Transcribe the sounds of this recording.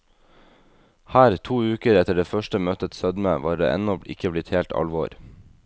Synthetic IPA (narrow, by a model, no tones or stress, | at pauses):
hæːɾt̪ʰuːʉːkəɾɛt̪əɖeːfœʃʈəmœːt̪ət̪sœd̪məʋɑːɖḛːʔɛ̰nɔʔɪ̰kəblɪt̪heːlt̪ɑ̰lʋɔ̰ːɾ